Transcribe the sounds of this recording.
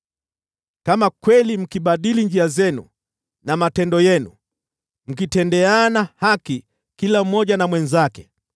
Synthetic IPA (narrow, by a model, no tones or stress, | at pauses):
kamakwɛlim̩kiɓaɗiliɲd͡ʒiazɛnṵ | namatɛndɔjɛnṵ | m̩kitɛndɛanahaki | kilam̩mɔʄanamwɛnzakɛ̥